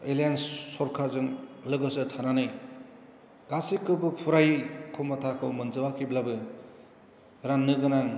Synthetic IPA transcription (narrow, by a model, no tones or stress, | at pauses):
elajansːɔɾkʰazɯŋlɯɡɯsɯtʰananɯj | ɡ̥asikʰːɯbɯpʰuɾajkʰɔmatʰakʰɯwmɯnd͡ʒɯwakʰiblabɯ | ɾanːɯɡɯnaŋ